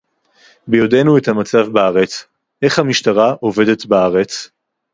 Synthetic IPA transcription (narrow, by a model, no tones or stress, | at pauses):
bejode̞nuethamat͡savbaaʁe̞t͡s | ʔe̞χhamiʃtaʁaʔo̞ve̞de̞t̪baaʁe̞t͡s